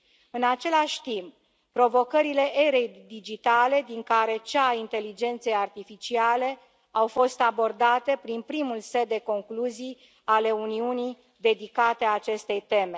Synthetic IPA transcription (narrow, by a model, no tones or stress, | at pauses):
ɨnat͡ʃe̞laʃʲt̪imp̚ | pɾo̞vo̞kəɾile̞ʔe̞ɾe̞jd̪id͡ʒit̪ale̞d̪iŋkaɾe̞t͡ʃaint̪e̞lid͡ʒe̞nt̪sejart̪ifit͡ʃiale̞ | awfo̞st̪abo̞rd̪at̪e̞pɾinpɾimulse̞d̪ːe̞ko̞ŋkluzij | ale̞uniunij | d̪e̞d̪ikat̪eaːt͡ʃe̞st̪e̞jt̪e̞me̞